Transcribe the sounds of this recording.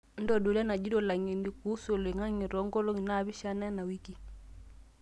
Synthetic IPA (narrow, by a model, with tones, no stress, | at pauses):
n̩˦dɔ˦˨du˨la˦na˨d͡ʒi˦dɔ˦˨la˨ŋi˨ndi˨ku˦su˨lɛ˨ŋa˦ŋi˨ɾɔ˨˦ŋɡɔ˦lɔ˦ŋi˨na˦˨βi˦ʃa˦na˦na˨wi˦ki˨